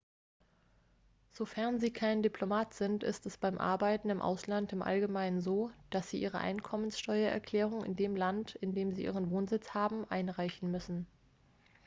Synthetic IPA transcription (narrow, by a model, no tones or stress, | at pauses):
z̥ofɛɐnziːkʰaɪndipʰl̥omaːtz̥ɪntɪ̰stɛsb̥aɪmʔa̰ɐbaɪtn̩ɪmʔa̰ʊslantɪmʔa̰lɡəmaɪnənzoːd̥asz̥iːʔḭːʁ̞ə̰ʔa̰ɪnkʰɔmənsʃtɔʏɐʔɛ̰ɐkʰl̥ɛːʁ̞ʊŋɪ̰ndeːmlantɪndeːmziːʔḭːʁənvoːnzɪt͡shaːbm̩ʔaɪnʁaɪçn̩mʏsn̩